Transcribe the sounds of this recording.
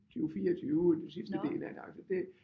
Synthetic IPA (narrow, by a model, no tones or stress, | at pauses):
t͡sʰyːʊfiːɐɒt͡sʰyːʊd̥ensisd̥əd̥e̝̰ːlæɐd̥eɑ̈lsɒd̥e